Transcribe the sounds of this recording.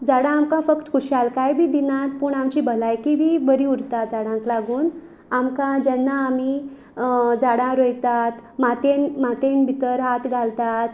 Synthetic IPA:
d͡zaɽãːmkãfəkt̪kʰuɕalkajbʱiːd̪inat̪pəɳamt͡ɕiːbəlajkibibəɾiuɽt̪at̪̚d͡zaɽãŋklaɡuːn | amkãd͡ʑɛnːaːmi | d͡zaɽãɾojt̪at̪mat̪enmat̪enbʱit̪əɾɦat̪ɡʱalt̪at̪̚

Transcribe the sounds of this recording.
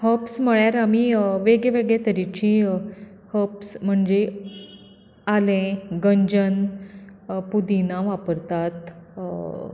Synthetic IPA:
həpsm̤əɭjaɾamiʋeɡɭeʋeɡɭet̪əɾit͡ɕĩ | həpsm̤əɳd͡ze | alẽɡəɲd͡ʑən | pud̪inaʋapəɾt̪at̪

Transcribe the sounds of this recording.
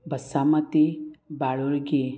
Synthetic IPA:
bəsamɐt̪ibaɭuɾɡi

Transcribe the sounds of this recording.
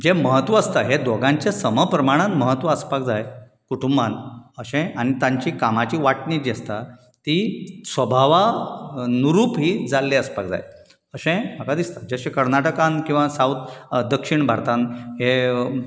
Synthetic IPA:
d͡ʑeməɦət̪ʋəːst̪aɦed̪oɡãɲt͡ɕesəməpɾəmaɽ̃anməɦət̪ʋəəspakd͡zaj | kuʈumbanəɕẽaɽ̃it̪ãɲt͡ɕiːkamat͡ɕiːʋaʈnid͡ʑest̪a | t̪isʋəbʱaʋa | nuɾuːpɦiːd͡zalːeəspak̚d͡za̰j | əɕẽmakad̪ist̪ad͡ʑeəɕẽkəɾnaʈəkãnkĩw̃ʋasawt̪d̪əkʂiɳbʱaɾt̪ãnɦe

